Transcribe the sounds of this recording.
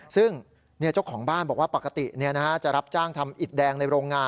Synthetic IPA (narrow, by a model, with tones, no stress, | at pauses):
sɯ˥˩ŋ | ni˥˩ɐt͡ɕo˥˩kʰːɔː˩˦ŋbaː˥˩nbɔː˨˩k̚waː˥˩pa˨˩kːa˧t̪i˨˩ni˥˩ɐna˦˥kʰa˦˥t͡ɕa˨˩ʔɾa˦˥p̚t͡ɕaː˥˩ŋt̪ʰa˧mʔi˨˩t̪̚dɛː˧ŋna˧jɾoː˧ŋːaː˧